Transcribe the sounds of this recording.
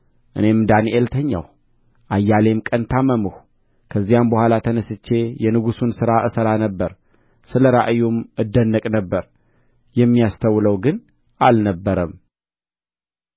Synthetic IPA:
ʔɨ̰ne̞md̪aniʔelt̪ʰəɲːa̰w | ʔajːale̞mkʼənt̪ʰaməmɨhu | kʰəzːijambəhʷalat̪ʰənəsɨt͡ʃːe̞jɛnɨɡusunsɨɾaʔɨsəɾanəbːəɾ | sɨləɾaʔɨjumɨd̪ːənːəkʼnəbːəɾ | jɛmːijast̪ʰəwːləwɡɨn | ʔalnəbːəɾəm

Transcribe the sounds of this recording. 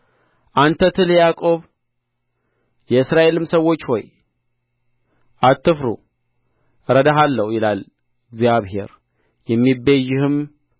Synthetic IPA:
ʔant̪ʰət̪ʰɨljakʼo̞β | jɛɨsɾaʔe̞lɨmsəwo̞t͡ʃːho̞̰j | ʔat̪ːɨfɾṵ | ɾəd̪aɦalːəhjɪlal | ɨɡzijaβhe̞̰ɾ | jɛmːibejːɪhɨm

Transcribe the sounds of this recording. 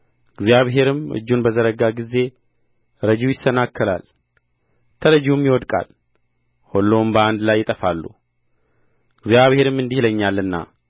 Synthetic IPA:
ɨɡzjaβɦe̞ɾɨmɨ̰d͡ʒːunbəzəɾəɡaɡizːe̞ | ɾəd͡ʒiwjɪsːənakːɨla̰l | t̪ʰələd͡ʒumjɪwɔd̪kʼa̰l | holːombəand̪lajːɪt̪ʼəfalːṵ | ɨɡzjaβhe̞ɾɨmɨnd̪ihləɲːalːɨnːa̰

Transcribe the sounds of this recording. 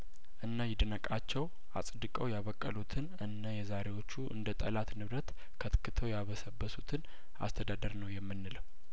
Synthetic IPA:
ʔɨnːajɪd̪ənəkʼat͡ʃːɛw | ʔa̰sʼd̪ɨkʼəwjaβəkʼːəlut̪ʰɨnɨnːajɛzaɾe̞wo̞t͡ʃːuʔɨ̰nd̪ət̪ʼəlat̪nɨβɾət̪ | kʰət̪kʰːɨt̪ʰəwjaβəsəbːəsut̪ʰɨn | a̰st̪ʰəd̪ad̪əɾnəwjɛmːɨnːɨləw

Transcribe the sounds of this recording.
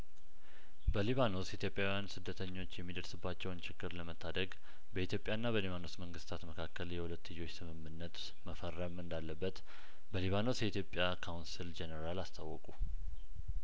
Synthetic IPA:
bəliβano̞sjit̪jo̞pʼjawijansɨd̪ːət̪ʰəɲːo̞t͡ʃːjɛmːid̪əɾsɨbːat͡ʃːɛwnt͡ʃʰɪɡːɨɾləmət̪ʰːad̪əɡ | bəit̪ʰjo̞pʼːjanːaβəliβano̞sməŋɡɨst̪ʰat̪məkʰakːəljɛhulət̪ːɨjːo̞t͡ʃːsɨmɨmːɨnːət̪ | məfərːəmɨnd̪alːəbːət̪ | bəliβano̞sjɛit̪ʰjo̞pʼjakʰawnsild͡ʒɛnəɾalast̪ʰawːəkʼu

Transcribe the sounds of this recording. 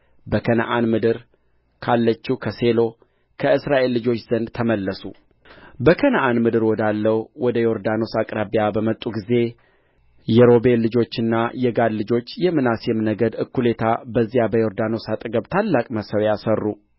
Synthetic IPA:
bəkʰənə̰ʔanmɨd̪ɨɾ | kʰalːət͡ʃːikʰəse̞lo̞ | kʰəɨsɾaʔe̞lːɨd͡ʒo̞t͡ʃːz̥ənd̪t̪ʰəməlːəsu | bəkʰənʔanmɨd̪ɨɾwɔd̪alːəwwɔd̪əjo̞ɾd̪ano̞sakʼɾabjabəmət̪ʼːuɡize̞ | jɛɾo̞be̞llːɨd͡ʒo̞t͡ʃːɨnːajɛɡad̪lɨd͡ʒo̞t͡ʃːjɛmːɨnasjɛmnəɡəd̪ɨkːule̞t̪ʰabəzːijabəjo̞ɾd̪ano̞sat̪ʼɨɡəβt̪ʰalːakʼməsəwjasərːu

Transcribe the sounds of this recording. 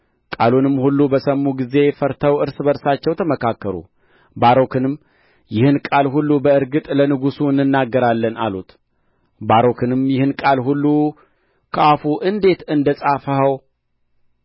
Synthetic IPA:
kʼalunɨmːhulːubəsəmːuɡize̞fəɾt̪ʰəwɨɾsbəɾsat͡ʃːɛwt̪ʰəməkʰakːəɾṵ | baɾo̞kʰɨnɨm | jɪhɨnkʼalhulːubəɨɾɡɨt̪ʼlənɨɡusuɨnːɨnːaɡːəɾalːəna̰lut̪ | baɾo̞kʰɨnɨmjɪhɨnkʼalhulːu | kʰəʔafuʔɨnd̪e̞t̪ɨnd̪əsʼafəhəw

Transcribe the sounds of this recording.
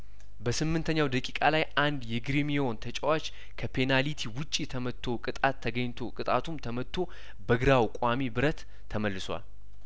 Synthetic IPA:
bəsɨmːɨnt̪ʰəɲːawd̪əkʼikʼalajʔand̪jɛɡɾimio̞nt̪ʰət͡ʃʼɛwat͡ʃ | kʰəpʰe̞nalit̪ʰiwʊt͡ʃʼːijɛt̪ʰəmət̪ʰːo̞kʼɨt̪ʼat̪ʰːəɡəɲːt̪ʰokʼɨt̪ʼat̪ʰumt̪ʰəmət̪ʰːo̞ | bəɡɨɾawkʼamibɨɾət̪ʰː | əməlːɨswa̰l

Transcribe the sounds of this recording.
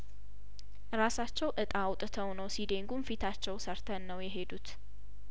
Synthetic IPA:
ɾasat͡ʃːɛwʔɨt̪ʼawt̪ʼɨt̪ʰəwnəwsid̪e̞ŋɡumfit̪ʰat͡ʃːɛwsəɾt̪ʰənːəwjɛɦe̞d̪ut̪

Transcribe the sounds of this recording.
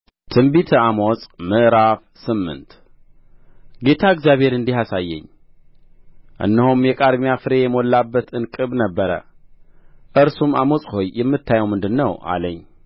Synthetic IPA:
t̪ʰɨmbit̪ʰamosʼmɨʔɾaf | sɨmːɨ̰nt̪ | ɡe̞t̪ʰaɨɡzjaβhe̞ɾɨnd̪ihasajːɛ̰ɲː | ʔɨ̰nːəhumjɛkʼad̪mijafɨɾe̞jɛmolːabːət̪ʰɨnkʼɨβnəbːəɾə̰ | ʔɨɾsuma̰mosʼho̞jːɛmːɨt̪ːajɛwmɨnd̪ɨnːəwʔa̰ləɲː

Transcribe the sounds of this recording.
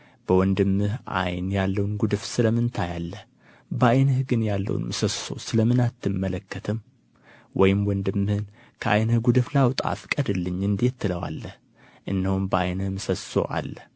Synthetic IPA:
b̥əwɔnd̪ɨmːɨhʔa̰jnjalːəwnɡud̪ɨfsɨləmɨnt̪ʰajalːəh | bəajnəhɡɨnjalːə̰wṵnmɨsəso̞̰sɨləmɨnat̪ːɨmːələkːət̪ʰɨm | wʔɔjɪmwɔnd̪ɨmːɨhɨn | kʰəʔajnəhɡud̪ɨflawt̪ʼa̰fkʼəd̪ɨlːɨɲːɨnd̪et̪ːɨləwa̰lːəh | ʔɨnːəhumbəʔajnɨhmɨsəso̞̰ʔa̰lːəh

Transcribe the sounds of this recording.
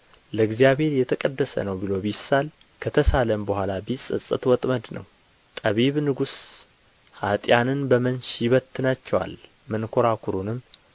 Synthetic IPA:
ləɡzijaβhe̞ɾjɛt̪ʰəkʼəd̪ːəsə̰nəwbilo̞bisal | kʰət̪ʰəsaləmbəhʷalabisʼɨ̰sʼɨt̪wɔt̪ʼməd̪nə̰w | t̪ʼəβiβnɨɡus | hat̪ʼjanɨnbəmənʃjɪβət̪ʰːɨnat͡ʃːɛwa̰l | mɨnkʰoɾakʰuɾunɨmː

